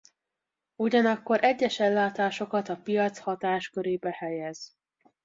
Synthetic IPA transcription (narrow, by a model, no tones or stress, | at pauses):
uɟɒnɒkːo̞ɾʔɛɟːɛʃɛlːaːt̪aːʃo̞kɒt̪ɒpijɒt̪shɒt̪aːʃkøɾeːbɛhɛjɛz̥